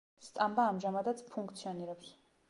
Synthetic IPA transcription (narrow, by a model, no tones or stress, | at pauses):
st̪sʼambaːmʒamad̪at̪sʰpʰuŋkʰt̪sʰiɔniɾɛps